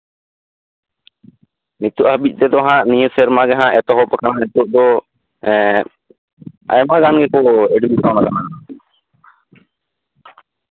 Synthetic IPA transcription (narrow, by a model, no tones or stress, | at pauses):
nit̪uʔhəbic̚ˀt̪ɛd̪ɔaɦãʔnijəsɛɾmaɡɛɦãʔɛt̪ɔɦɔpakananit̪uʔd̪ɔ | ɛ | a̰jmaɡanɡɛkɔɛɖbikawnakana